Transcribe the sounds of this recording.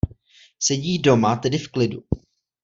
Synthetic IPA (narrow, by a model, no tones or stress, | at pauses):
sɛɟiːdo̞mat̪ɛdɪfklɪdṵ